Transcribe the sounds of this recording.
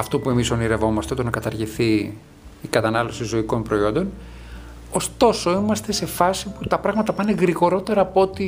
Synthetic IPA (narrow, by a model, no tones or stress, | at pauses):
ɐft̪o̞pue̞misoniɾevo̞mɐst̪eot̪onɐkɐt̪ɐɾʝiθiː | kɐt̪ɐnɐlo̞sizo̞iko̞npɾo̞io̞nd̪o̞n | o̞st̪o̞so̞imɐst̪e̞se̞fɐsiput̪ɐpɾɐɣmɐt̪ɐpɐneɣɾiɣo̞ɾo̞t̪e̞ɾɐːpoot̪i